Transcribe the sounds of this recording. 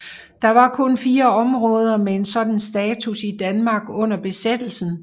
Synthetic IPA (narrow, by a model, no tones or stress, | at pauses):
d̥ɑ̈ʋɑ̈kʰɔ̽nfiːɐɒ̽mʁɔ̽ːð̞ˠɐmee̝nsɒ̽d̥n̩sd̥ɛːt͡sʰusid̥ænmɑ̈ːɡ̥ɔ̽n̰ɐb̥e̝sed̥l̩sn̩